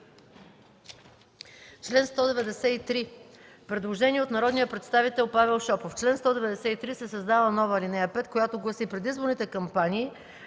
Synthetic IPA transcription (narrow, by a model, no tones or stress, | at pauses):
t͡ʃlɛnst̪ɔd̪ɛvɛd̪ɛsɛit̪ɾi | pɾɛd̪lˠoʒɛniɛot̪nɐɾɔd̪nijəpɾɛt̪st̪avit̪ɛlˠpavɛlˠʃɔpoft͡ʃlɛnst̪ɔd̪ɛvɛd̪ɛsɛit̪ɾisɛsɐzd̪alˠənɔvəlinɛjəpɛt̪kojat̪oɡlˠɐsipɾɛd̪izboɾnit̪ɛkɐmpaniː